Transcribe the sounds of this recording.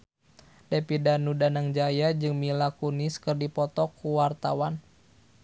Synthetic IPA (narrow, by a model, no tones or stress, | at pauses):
dapidanudanaŋd͡ʒajad͡ʒɨŋmilakuniskɨrdipɔt̪ɔkuwart̪awan